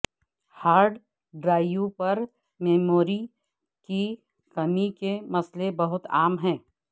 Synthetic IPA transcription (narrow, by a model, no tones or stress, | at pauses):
haːɾɖ | ɖɾaːjupɐɾ | mɛːmoːɾi | ki | kɐmikemɐslebɐɦʊt̪aːmɦɛ̃ː